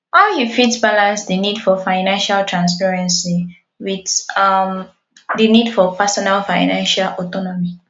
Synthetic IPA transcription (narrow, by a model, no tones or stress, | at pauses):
waɪlhifitsbalãnsdənidfɔfaɪnãnʃaltʰɹãns̬pɛɹɛ̃nsi | widam | dənidfɔpɛsɔnalfaɪnãnʃalʔɔtɔnɔmi